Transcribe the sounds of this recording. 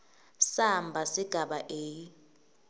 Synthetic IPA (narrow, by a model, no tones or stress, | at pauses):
sambʱasiɡ̥ʱaɓaʔeːji